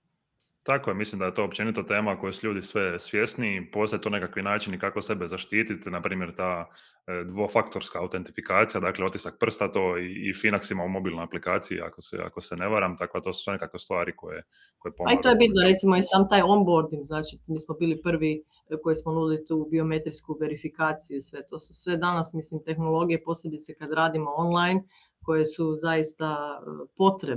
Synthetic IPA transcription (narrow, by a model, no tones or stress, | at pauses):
t̪akojemislimd̪ajet̪o̞ːopt͡ʃe̞nit̪at̪e̞ːmako̞jusuʎuːd̪isʋe̞sʋje̞st̪nipo̞ːst̪ajt̪oːnekakʋinaːt͡ʃinikakose̞be̞zaʃt̪iːt̪it̪napɾiːmje̞ɾt̪aː | d̪ʋo̞fakt̪o̞ɾskaːwt̪e̞nt̪ifikaːt̪sijad̪aːkleo̞t̪i̥sak̚pr̩st̪at̪o̞ːiːfinaksimaumo̞biːlno̞japlikaːt̪sijḭa̰kosḛa̰koseneʋaɾamt̪ako̞d̪at̪o̞ːsu̥sʋe̞ne̞kakʋest̪ʋaːɾiko̞je | kojepoaiojebit̪noɾe̞t̪simoisaːmt̪aːjombo̞ɾd̪iŋɡznaːt͡ʃimiːsmobiːlipr̩ʋi | ko̞jismonuːd̪ilit̪uːbio̞me̞t̪ɾiskuʋe̞ɾifikaːt̪sijusʋe̞t̪o̞ːsu̥sʋe̞d̪anasmislimt̪e̞xnolˠo̞ɡijepo̞sʎʲed̪it̪sekad̪ɾaːd̪imo̞onlˠajn | ko̞jesuzajist̪apo̞t̪ɾe